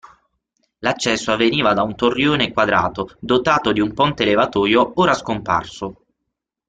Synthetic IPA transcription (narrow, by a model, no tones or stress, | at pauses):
lat͡ʃːɛsːoavːeniːvad̪aunt̪orːjoːnekwad̪ɾa̰ːt̪od̪ot̪aːt̪od̪iumpɔnt̪elevat̪ɔːjooːɾaskompa̰rso